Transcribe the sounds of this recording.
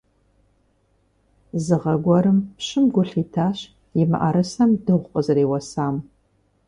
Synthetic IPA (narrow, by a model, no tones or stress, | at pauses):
zɨʁɐɡʷɔɾɨmpɕɪmɡʷʊɬiːtʰaːɕ | jɪmɨ̰ʔaɾɐsɐmdɨʁʷʊqʼəzɨɾeːwɐsaːm